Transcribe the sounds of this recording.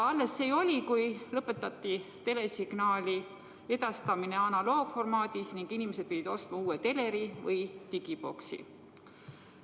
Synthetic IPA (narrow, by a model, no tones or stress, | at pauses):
ɑlːe̞sːe̞jo̞lʲikujlɤpːe̞t̪ːˑɑt̪ːˑit̪e̞le̞siɡ̥nɑːlʲi | e̞d̪ɑst̪ɑmine̞ɑnɑlo̞ːɡ̥fo̞rmɑːd̪̥isniŋɡ̥inimese̞d̪̚pivid̪o̞st̪mɑuːet̪e̞le̞ɾivɤjt̪iɡ̥ib̥o̞̰ksḭ